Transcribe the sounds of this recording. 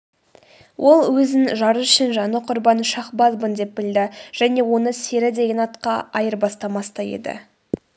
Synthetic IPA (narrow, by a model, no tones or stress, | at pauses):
wʔo̞lˠwɵzɪnʒɑɾəʏʃɪnʒɑnəqʰʊɾbɑnʃɑχbɑzbənd̪e̞p̚bɪld̪ɪʒ̥æne̞wo̞nəse̞ɾɪd̪e̞ɡʲenɑt̪qɑɑjəɾbɑst̪ɑmɑst̪ɑjḛd̪ɪ̰